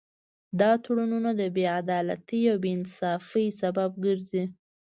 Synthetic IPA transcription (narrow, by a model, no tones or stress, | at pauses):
d̪ɑt̪oɽununad̪əbead̪ɑla̰t̪iawbeɪnsɑfəjsabab̚ɡəɾzi